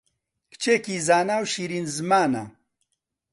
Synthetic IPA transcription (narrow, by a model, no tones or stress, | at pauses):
kt͡ʃʰeːkiːzaːnaːwʃiːɾiːnzɨmaːna̰